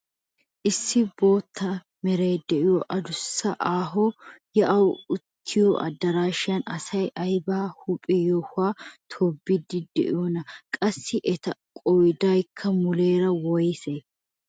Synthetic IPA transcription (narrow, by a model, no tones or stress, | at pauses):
ʔɪsːɪbo̞ːt̪ʰːɐ | mɛɾeːd̪ɛʔɪjɔʔɐd̪ʊsːɐʔaːɦɔjɐʔɐwʊt̪ʰːɪjoʔɐ̰d̪ːɐɾaːʃɪjɐnɐsɐjʔɐjbaːhʊpʼɛjohʊaːt̪ʰɔbːɪd̪ɪd̪ɛ̰ʔɪ̰jonɐkʼɐsːɪʔɛt̪ɐkʼɔjd̪ɐjkʰːɐmʊle̞ːɾɐwɔjse